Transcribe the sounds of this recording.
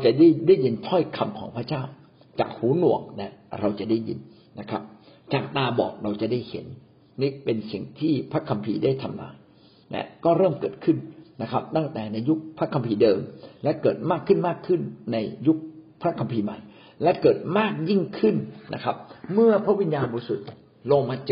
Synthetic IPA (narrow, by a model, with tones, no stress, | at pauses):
ɾa˧wt͡ɕa˨˩da˥˩jdaː˥˩jːi˧nt̪ʰɔ˥˩jkʰa˧mkʰɔː˩˦ŋpʰɾa˧˥t͡ɕaː˥˩w | t͡ɕa̰ː˨˩k̚huː˨˦nu˨˩əŋ̚nɛ˦˥ɾa˧wt͡ɕa˨˩daː˥˩jḭ˧nː | a˦˥kʰa̰˦˥p̚t͡ɕaː˨˩k̚t̪aː˧bɔ̰ː˨˩k̚ɾa˧wt͡ɕa˨˩daː˥˩jhḛ˩˦nː | iː˦˥˩pe˧nsi˨˩ŋt̪ʰiː˥˩pʰɾa˦˥kʰːa˧mpʰḭː˧daː˥˩jt̪ʰa˧mla̰ː˧j | nɛ̰˦˥kɔː˥˩ɾɤː˥˩mkɤː˨˩t̪̚kʰɯ˥˩nːa˦˥kʰɾa˦˥p̚t̪a˥˩ŋt̪ɛː˨˩na˧jːu˦˥k̚pʰɾa˦˥kʰːa˧mpʰiː˧dɤː˧mlɛ˦˥kɤː˨˩t̪̚maː˥˩kʰːɯ˥˩nmaː˥˩kʰːɯ˥˩nːa˧jːu˦˥k̚pʰɾa˦˥kʰa˧mpʰiː˧ma˨˩j | lɛ˦˥kɤː˨˩t̪̚maː˥˩k̚ji˥˩ŋkʰɯ˥˩nnʔa̰˦˥kʰa˦˥p̚mɯ˥˩ɐpʰɾa˦˥wi˧njaː˧nbɔː˧su˨˩t̪̚ | lo˧ŋmaː˧t͡ɕ